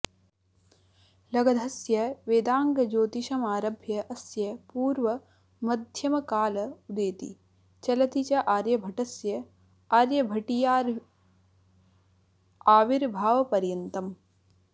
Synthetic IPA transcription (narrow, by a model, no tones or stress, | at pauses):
lɐɡɐd̪ʱɐsjɐʋeːd̪aːŋɡɐd͡ʒoːt̪iʃɐmaːɾɐbʱjɐʔɐsjɐpuːɾʋɐ | mɐd̪ʱjɐmɐkaːlɐud̪eːt̪ḭ | t͡ʃɐlɐt̪it͡ʃɐʔaːɾjɐbʱɐʈɐsjɐ | aːɾjɐbʱɐʈijaːɾ | aːʋiɾbʱaːʋɐpɐɾjɐnt̪ɐm